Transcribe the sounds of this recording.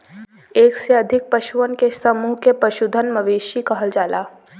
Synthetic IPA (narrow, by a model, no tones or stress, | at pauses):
eːkseɐd̪ʱɪk̚pɐʃuʋənkesɐmuːɦkepɐʃud̪ʱənmɐʋeːʃikɐɦəld͡ʒaːlaː